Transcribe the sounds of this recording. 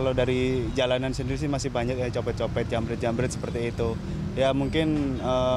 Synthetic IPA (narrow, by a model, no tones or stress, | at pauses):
alodaɾid͡ʒalanansəndiɾis̬ɪmasɪhbaɲak̚jat͡ʃopɛt̪̚t͡ʃopɛt̪̚jambəɾɛt̪̚jambəɾɛt̪sə̥pərt̪iːt̪u | jamuŋkɪnə